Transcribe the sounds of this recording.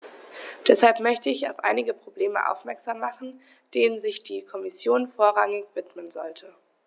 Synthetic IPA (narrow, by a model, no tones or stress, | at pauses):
d̥ɛshalpmœçtəɪça̰ʊfʔa̰ɪnɪɡəpʁ̥obleːmə̰ʔa̰ʊfmɛɐkz̥aːmːaχn̩ | d̥eːnənzɪçd̥iːkʰɔmɪsjoːnfoːɐʁaŋɪçv̥ɪtmənzɔ̰ltʰə